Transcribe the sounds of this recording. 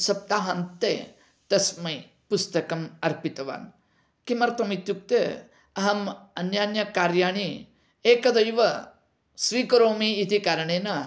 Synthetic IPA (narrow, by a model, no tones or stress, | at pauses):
sɐp̚t̪aːɦɐnt̪ḛː | t̪ɐsmɐj | pust̪ɐkɐmɐɾpit̪ɐʋa̰ːn | kimɐɾt̪ʰɐmit̪juk̚t̪e | ɐɦɐmɐnjaːnjɐkaːɾjaːɳ̃i | eːkɐd̪ɐjʋɐ | sʋiːkɐɾoːmiːt̪ikaːɾɐɳeːnɐ